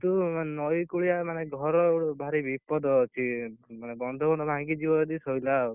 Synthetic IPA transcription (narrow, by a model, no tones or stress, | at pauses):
t̪unɔjkuɭijamaneɡʱɔɾɔɽbʱaɾibipɔd̪ɔːt͡ʃʰimanebɔnd̪ʱɔbɔnd̪ʱɔbʱãŋɡid͡ʒibɔd̪isɔjla